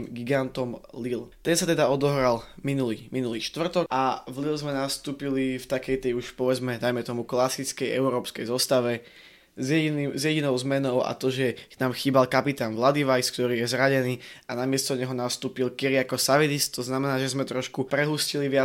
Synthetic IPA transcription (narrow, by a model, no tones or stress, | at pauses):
mɡiɡant̪ɔmlilt̪ɛnsat̪ɛd̪aɔd̪ɔɦɾalminuliminuliːʃt̪ʋr̩t̪ɔkʔavlilzmɛnast̪uːpilift̪akɛjt̪ɛjuʃpɔʋɛd͡zmɛd̪ajmɛt̪ɔmuklasit͡skɛjɛ̰ʊɾɔːpskɛjzɔst̪aʋɛ | zjɛinizjɛɟinɔʊzmɛnɔʊa̰t̪ɔʒɛnaːmxiːbalkapit̪aːnʋlad̪iʋajskt̪ɔɾiːjɛzɾaɟɛniːʔanamɪɛst̪ɔɲɛɦɔnast̪uːpilkiɾiakɔsaʋid̪ist̪t̪ɔznamɛnaːʒɛzmɛt̪ɾɔʃkupɾɛɦusciliʋɪa